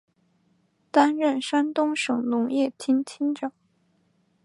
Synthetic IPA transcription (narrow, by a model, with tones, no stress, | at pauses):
t̪a˥nɻə˥˩nʂa˥nt̪ʊ˥ŋʂɤ˨˩ŋnʊ˧˥ŋjɛ˥˩t͡ɕʰi˥nt͡ɕʰi˥nʈ͡ʂɑ˨˩˦